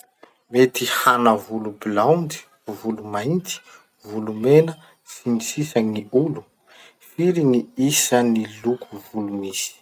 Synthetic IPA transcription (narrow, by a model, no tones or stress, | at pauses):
met̪ihanəvulubilawndi̥ | vulumaint̪i̥ | vulumenə | sinisisəŋiulu | fiɾiniisənilukʰuvulumisi̥